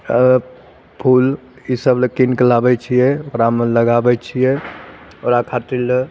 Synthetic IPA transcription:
pʰul | isəblekinklabɛt͡ʃʰijɛɔɾamləɡabɛt͡ʃʰijɛ | ɔɾakʰat̪il

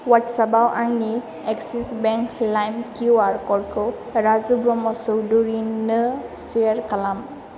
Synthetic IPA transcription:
watsabawʔaɹni | ɛksisbɛŋklajmkiuaɹkɔɹkɯ | ɹazubɹɔmɔsɔwduɹinɯsiaɹkalam

